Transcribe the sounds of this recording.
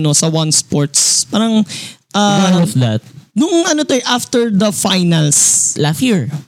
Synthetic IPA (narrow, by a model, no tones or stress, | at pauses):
nosɐwɐnspoɹt̪spaːɾɐŋʔafd̪at̪̚nʊŋɐnot̪oɛʔaft̪ɛɹd̪ɐfajnɐlslastjiɹ